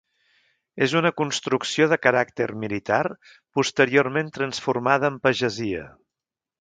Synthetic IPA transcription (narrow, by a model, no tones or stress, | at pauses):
ezunəkunst̪ɾuksioðəkəɾak̚t̪ərmilit̪ar | pust̪əɾiorment̪ɾənsfuɾmaðəːmpəʒəziə̰